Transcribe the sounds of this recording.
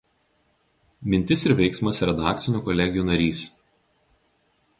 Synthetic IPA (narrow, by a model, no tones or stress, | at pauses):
mʲɪnʲt̪ʲɪsɪɾʋʲɛɪksmɐsɾɛd̪ɑːkt̪sʲɪnʲuːˑkɔlʲɛɡʲɪjuːˑnɐɾʲiːs